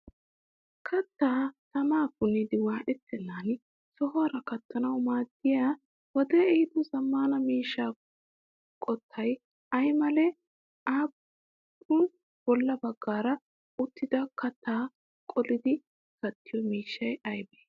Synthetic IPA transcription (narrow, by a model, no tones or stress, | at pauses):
kʰɐt̪ːaːt̪ɐmaːkʊnid̪ɪwaːʔɛt̪ːɛnːaːn | sɔɦɐɾɐkɐt̪ːɐnɐwmaːd̪ːɪjaː | wɔd̪ɛːɛhɪd̪ɔzɐmːaːnɐmiːʃːaː | kʼɔt̪ʰːɐj | ɐjmɐlɛ | aːpʰː | ʊn | b̥ɔlːɐbɐɡːaːɾɐ | ʊt̪ːɪd̪ɐkɐt̪ːaː | kʼɔlɪd̪ɪ | ɡ̥ɐt̪ːɪjɔmiːʃːɐjɐjbeː